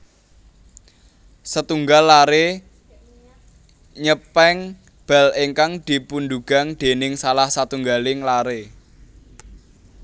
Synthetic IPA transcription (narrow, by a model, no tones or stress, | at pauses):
sət̪uŋɡalːaɾe | ɲəpɛŋ | b̥a̤leŋkaŋd̪̥i̤pund̪uɡ̥a̤ŋd̪̥e̤nɪŋsalahsat̪uŋɡalɪŋlaɾe